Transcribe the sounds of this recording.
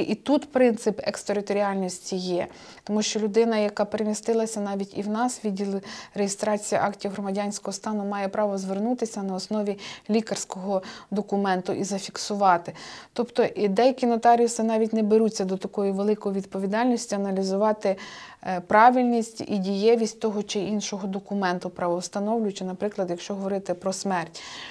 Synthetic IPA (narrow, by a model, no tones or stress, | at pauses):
ʔit̪ut̪pɾɪnt̪sɪpɛ̰kst̪eɾɪt̪ɔɾʲiɑlʲnɔsʲtʲijɛ | t̪ɔmuʃt͡ʃɔlʲʊd̪ɪnɐjɐkɑpeɾemʲist̪ɪlˠɐsʲɐnɑʋʲitʲḭwnɑsʋʲidʲilˠrejɪst̪ɾɑt͡sʲijɐ̰ʔɑktʲijɦɾɔmɐdʲɑnʲsʲkɔɦɔst̪ɑnʊmɑjɛpɾɑʋɔzʋernut̪ɪsʲɐnɐɔsnɔʋʲilʲikɐrsʲkɔɦɔd̪ɔkʊmɛnt̪ʊʔizɐfʲiksʊʋɑt̪ɪt̪ɔpt̪ɔʔd̪ɛjɐkʲinɔt̪ɑɾʲiʊsɪnɑʋʲitʲnɛbeɾut͡sʲːɐd̪ɔt̪ɐkɔjiʋelˠɪkɔjiʋʲid̪pɔʋʲid̪ɑlʲnʲisʲtʲiɐnɐlʲizʊʋɑt̪ɪ | pɾɑʋɪlʲnʲisʲtʲḭdʲijɛʋʲisʲtʲt̪ɔɦɔt͡ʃɪinʃɔɦɔd̪ɔkʊmɛnt̪ʊpɾɐʋɔst̪ɐnɔwlʲʊjt͡ʃɪnɐpɾɪklˠɐd̪jɐkʃt͡ʃɔɦɔʋɔɾɪt̪ɪpɾɔsmɛrtʲ